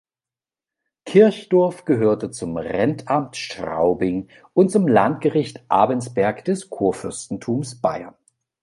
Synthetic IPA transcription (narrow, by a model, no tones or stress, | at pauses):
kʰɪɐçd̥ɔɐfɡ̥əɦøːɐtət͡sʊmʁɛntʰamtʃtʁ̥a̰ʊbɪŋ | ʔʊntt͡sʊmlantɡ̥əʁɪçtʔa̰ːbənsb̥ɛɐkd̥ɛskʰuːɐfʏɐstn̩tʰuːmsb̥aɪɐ̰n